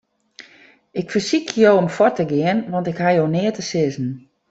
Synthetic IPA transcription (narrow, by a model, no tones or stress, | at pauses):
ɪkfərsikjoːɔmfɔrtəɡɪənʋɔntɪkhajoːnɪətəsɪzn̩